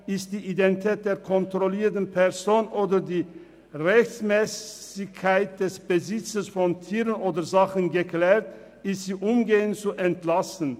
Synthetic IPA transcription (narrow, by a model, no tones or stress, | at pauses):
ʔɪstd̥iːʔidɛntitʰɛːt̚d̥eːɐkʰɔntʁoliːɐtn̩pʰɛʁzoːnʔoːdədiː | ʁɛçt͡smɛːsɪkʰːaɪt̚d̥ɛsb̥əzɪt͡səsfɔntʰiːʁənʔoːdəzaχənɡəklɛːʁt | ɪstz̥iːʔʊmɡeːənt͡suʔɛntlasn̩